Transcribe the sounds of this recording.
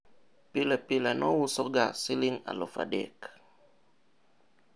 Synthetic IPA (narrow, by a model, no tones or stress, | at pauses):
pilɛpilɛnɔwusɔɡasiliŋa̰lo̰fa̰dɛ̰k